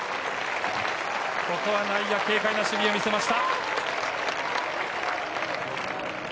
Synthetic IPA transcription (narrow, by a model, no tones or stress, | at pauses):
ko̞ko̞βanaijake̞ːkainaɕɨbʲio̞mʲise̞maɕi̥t̪a